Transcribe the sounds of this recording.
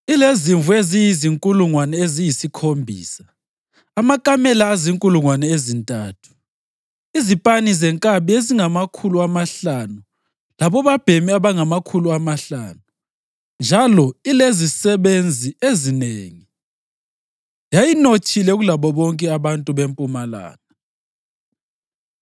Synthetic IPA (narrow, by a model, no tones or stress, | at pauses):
ileziɱvuezijiziŋkʼuluŋwanɛezijisikʰombʱḭːsa | amakʼamɛlaːziŋkʼuluŋwanɛezintʼaːtʰu̥ | izipʼanizɛŋkʼaβieziŋamakʰuluamaɬanu | laβɔβab̥ʱemiaβaŋamakʰuluamaɬaːnu | nd͡ʒʱalɔilezisɛβend͡zʱiezineːŋi | jajinot͡ʃʼilɛɣulaβɔβɔŋkʼɛaβantʼuβempʼumala̰ːna